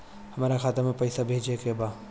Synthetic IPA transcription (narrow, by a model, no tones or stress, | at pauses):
hɐmaːɾaxʰaːt̪amẽpɛjsabʱeːd͡ʒekebaː